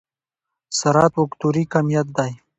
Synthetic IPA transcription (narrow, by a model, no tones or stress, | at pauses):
saɾɑːt̪wʊkt̪uɾikamijat̪̚d̪aj